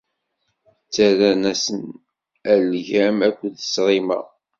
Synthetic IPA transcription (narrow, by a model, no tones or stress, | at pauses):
t͡sːæɾænæsən | ælʝæmækʷːðə̥sɾˤimæ̰